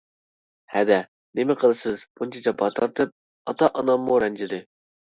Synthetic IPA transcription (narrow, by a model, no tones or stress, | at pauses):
hɛd̪ɛ | nɪmɪqʰəlˠɨsɨzb̥unt͡ʃʰɑt͡ʃʰɑbɑt̪ʰɑɾt̪ʰɨp̚ | ɑt̪ɑʔɑnɑmːuɾɛnt͡ʃʰɪd̪ɨ